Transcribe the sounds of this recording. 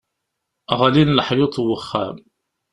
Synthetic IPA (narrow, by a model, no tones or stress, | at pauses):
ʁalinləħjɪt̪ˤwəχːæm